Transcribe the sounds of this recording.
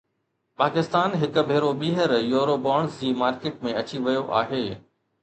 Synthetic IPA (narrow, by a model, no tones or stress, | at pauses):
paːkɪst̪aːnɦɪkʊ̆bʱeːɾoɓiːɦəɾjoːɾobaːɳsd͡ʑiːmaːɾkeːʈ̚mẽɐt͡ɕiʋɐjoʔa̰ːɦeː